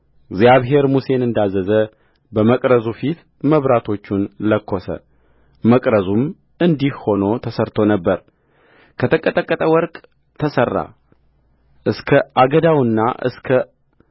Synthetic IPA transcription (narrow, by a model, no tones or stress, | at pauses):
ɡzjaβɦe̞ɾmuse̞nɨnd̪azːəzə | bəməkʼɾəzufit̪ | məβɾat̪ʰo̞t͡ʃːunləkʰːosə̰ | məkʼɾəzum | ɨnd̪ihho̞no̞t̪ʰəsəɾt̪ʰo̞nəbːəɾ | kʰət̪ʰəkʼːət̪ʼəkʼːət̪ʼəwɔɾkʼ | t̪ʰəsərːa̰ | ʔɨskʰəʔaɡəd̪awɨnːa̰ʔɨ̰skʰə